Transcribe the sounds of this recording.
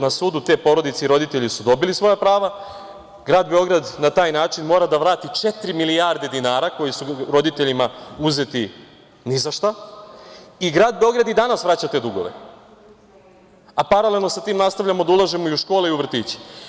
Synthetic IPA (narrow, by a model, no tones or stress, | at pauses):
nasuːd̪ut̪e̞ːpo̞ɾo̞d̪it̪seɾo̞d̪it̪e̞ʎisud̪o̞bilisʋo̞japɾaːʋa | ɡɾaːd̪be̞o̞ɡɾad̪nat̪aːjnaːt͡ʃinmo̞ːɾad̪aʋɾaːt̪it͡ʃe̞t̪ɾimiliaɾd̪e̞d̪inaːɾako̞jisuɾo̞d̪it̪e̞ʎimauze̞t̪i | nizaʃt̪a | iɡɾaːd̪be̞o̞ɡɾad̪id̪anasʋɾat͡ɕat̪e̞d̪uɡo̞̰ʋḛ | apaɾale̞lˠno̞sat̪iːmnast̪aʋvʎamod̪aulˠaʒemo̞iuʃko̞ːleiuʋr̩t̪iːt͡ɕe̥